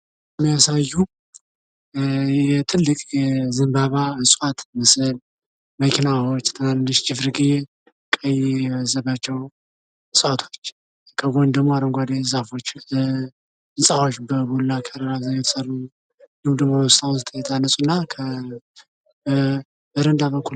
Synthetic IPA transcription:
mːijasajːu | jɛt̪ʰɨlːɨkʼjɛzɨmbaβaɨsʼwat̪məsɨl | məkʰinawot͡ʃːt̪ʰɨnanːɨʃd͡ʒɪfɾɡize | kʼəjzəβat͡ʃːɛw | ɨsʼwat̪ʰo̞t͡ʃː | kʰəɡo̞ɲd̪əmoaɾəŋɡʷad̪ezafo̞t͡ʃː | ɨnsʼafot͡ʃːbəbulːakʰaɾəɾazajɛt̪ʰə̥səru | dɨmd̪əmoɔst̪ʼawnzɨt̪ʰʼjɛt̪ʰanːəsʼunːakʰə | bəɾənd̪aβəkʰːu

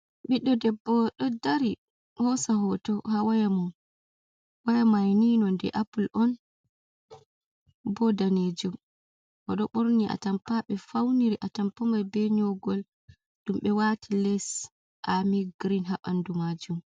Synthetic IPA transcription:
ɓiɗːɔdɛbːɔɗɔdaɾi | mɔsaɦɔtɔhawajamun | wajamajninɔndɛ̰ʔapulʔɔn | bɔdaned͡ʒum | ʔɔɗɔɓɔɾniʔa̰tampaɓɛfawniɾiʔatampɔmajbɛɲɔɡɔl | ɗumɓɛwatʰilɛs | ʔamiɡɾinɦaɓandumad͡ʒum

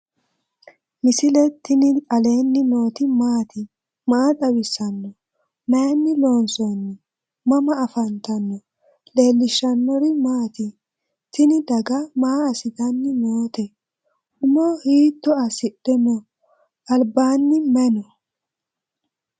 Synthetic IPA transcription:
mɪsɪlɛt̪ːɪnɪɐleːnːɪno̞ːt̪ɪmaːt̪ɪ | maːt̪ʼɐwɪsːɐnːɔ | meːnːɪlo̞ːnsɔnːɔ | mɐmɐɐfɐnt̪ɐnːɔ | le̞ːlːɪʃːɐnːɔɾɪmaːt̪ɪ | t̪ɪnɪd̪ɐɡɐmaːɐsɪt̪ɐnːɪmoːt̪ɛ | ʊmɔhiːt̪ːɔɐsɪɗɛmɔ | ɐlbaːnːɪmɛnɔ

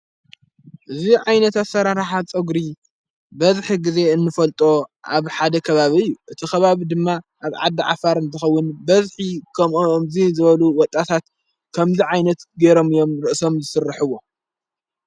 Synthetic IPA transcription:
ʔɨziʕajnɐt̪at̪sɐɾaɾaħat͡sʼɨɡɾi | bɐzħiɡɨze̞ɨnːɨfɐlt̪ʼoʔa̰βħad̪ɐkʰɐβaβiɨjːuʔɨt̪ʰixɐβaβid̪ɨmːaʔaβʕa̰d̪ːiʕa̰faɾɨnt̪ʰɐxɐwːʊnbɐzħikʰɐmʔmzizɨβɐluwɔt̪ʼːat̪ʰat̪ | kʰɐmziʕajnɐt̪ɡeɾo̞mɨjo̞mɾɨʔso̞mzɨsɨrːɨħɨwo̞

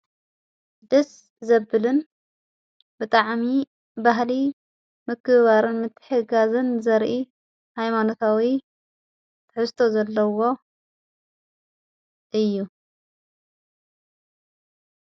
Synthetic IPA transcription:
d̪ɐs | zɐbːɨlɨn | bɨt̪ʼaʕmi | baɦli | mɨkʰːɨβaɾɨnmɨt̪ʰːɨ̥ħɨɡazɨnzɐɾʔi | hajmano̞t̪ʰawi | t̪ʰɨħɨst̪ʰo̞zɐlːɐwo̞ | ʔɨjːu

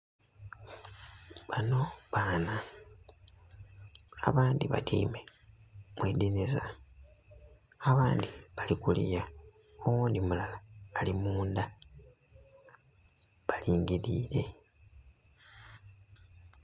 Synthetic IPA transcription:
βano̞βaːna | a̰βaːndiβa̰tʰḭːme̞ | mweːd̪ineza | aβaːndiβalikulḭja | owuːndimulalaːlimuːnda | βaliːŋɡiɾiːɾe̞

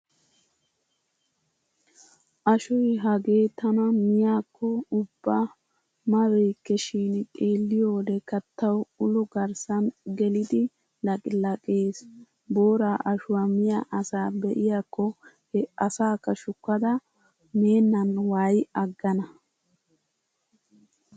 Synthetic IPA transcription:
ʔɐʃɔjɦɐɡe̞ːt̪ːɐnɐmɪjaːkːɔʊbːɐ | mɐwɛjkːɛʃiːnkʼe̞ːlːɪjoːd̪ɛkɐt̪ːɐwʊlʊɡɐɾsɐnɡɛlɪd̪ɪ | lɐkʼɪlɐkʼeːs | boːɾaːʔɐʃʊwɐmɪjaʔɐsaːbɛʔɪjakːɔ | hɛɐsaːkːɐʃʊkːɐd̪ɐ | meːnːɐnwaːjɐɡːɐnɐ

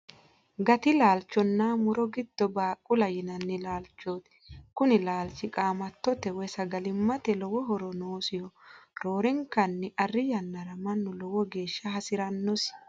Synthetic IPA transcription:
ɡɐt̪ɪlaːlt͡ʃːɔnːamʊɾɔɡɪd̪̥ːɔbaːkʼːʊlɐjɪnɐnːɛlaːlt͡ʃːoːt̪ | kʊnɪlaːlt͡ʃːɪkʼaːmɐt̪ːɔt̪ɛwɛjsɐɡɐlɪmːɐt̪ɛlɔwɔɦɔɾɔnoːsɪjɔɾoːɾɛŋkːɐnːɪʔɐrːɪjɐnːɐɾɐmɐnːʊlɔwɔɡe̞ːʃːɐɦɐsɪɾɐnːɔs

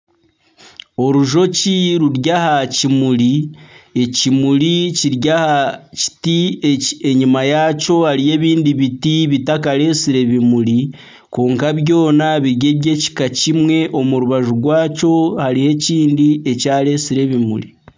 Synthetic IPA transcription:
o̞ɾuʒo̞ciɾuɾɟahacimuɾie̞cimuɾiciɾjahaci̥tie̞ɲimajaːco̞haɾije̞ːβiːndiβitiβitakaɾe̞ːsiɾe̞βimuɾi | ko̞ːŋkaβjo̞ːnaβiɾɟe̞βɟe̞ci̥kacimwe̞ʔo̞muɾuβaʒuɡwaːco̞haɾihe̞ciːndie̞caːle̞ːsiɾe̞βimṵɾi

